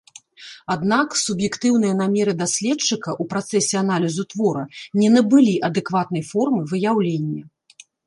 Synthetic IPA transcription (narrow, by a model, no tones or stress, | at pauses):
ad̪naksubjɛkt̪ɨwn̪ɨjɐnamʲɛɾɨd̪asʲlʲɛt͡ʂːɨkɐʔupɾat̪sɛsʲɛan̪alʲizut̪vɔɾɐnʲɛnɐbɨlʲiʔɐd̪ɛkvat̪̚nɐjfɔrmɨvɨjawlʲenʲːɐ